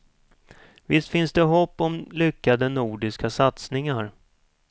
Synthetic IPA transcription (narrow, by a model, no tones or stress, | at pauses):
vɪst̪fɪnsd̪ɛɦɔpːɔmlʏkːad̪ənuːɖɪskasat̪snɪŋaɾ